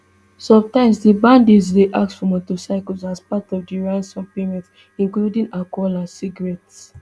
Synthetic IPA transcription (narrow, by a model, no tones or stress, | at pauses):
sɔ̃mtãɪ̃msdibãndizdeʔaksfɹɔ̃motosaɪklsaspatɔvdiɹãnsɔ̃mpemɛ̃t | ĩŋkludĩŋakɔlãnsiɡɹɛts